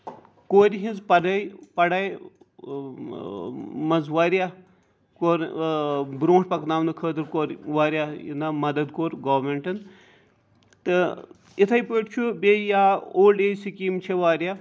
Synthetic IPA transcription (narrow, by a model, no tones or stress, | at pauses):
koːɾʲɦinzpɐɖɐjpɐɽaːj | mɐnzʋaːɾja | koːɾ | bɾõːʈpɐknaːmnɨkʰəːt̪ɨɾkoːɾʋaːɾʲjaḭnɐmɐd̪ɐd̪̚koːɾɡaːʋmeɳʈɨn | t̪ɨ | it̪ʰɐjpəːʈt͡ʃʰubʲeːjaːoːlɖeːsikiːmt͡ʃʰeʋaːɾʲjaː